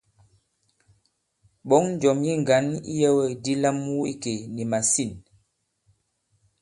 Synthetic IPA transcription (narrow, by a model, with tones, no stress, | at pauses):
ɓɔ˨˦ŋn˦d͡ʒɔ˨mji˦ŋ˨ɡa˨˦nḭ˦jə˦wə˦˨di˦la˦mːu˦i˦ke˨ni˨ma˨si˦˨n